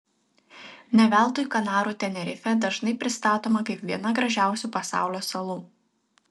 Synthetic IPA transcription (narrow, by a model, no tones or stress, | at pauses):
nʲɛʋʲæˑlˠˑt̪oːjkɐnɑːɾuːt̪ʲɛnʲɛɾʲɪfʲɛd̪ɐʒnɐɪpʲɾʲɪst̪ɑːt̪oːmɐkɐɪpʋʲiɛnɐɡɾɐʒʲæˑʊsʲuˑːpɐsɑ̰ˑʊlʲoːsɐlˠuː